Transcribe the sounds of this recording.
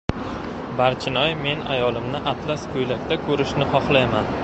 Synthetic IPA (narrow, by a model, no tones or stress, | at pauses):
baɾt͡ʃʰɪnɒjme̞na̰jɒlɪmnɪʔat̪ʰlaskʰɵjlakʲt̪akʰɵɾɪʃnɪχɒχlˠajman